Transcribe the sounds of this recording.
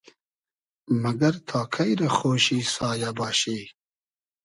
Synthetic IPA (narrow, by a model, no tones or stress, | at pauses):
mɐɡɐɾt̪ʰɑːkʰɐjɾɐxoːʃiːsɑːjabɑːɕiː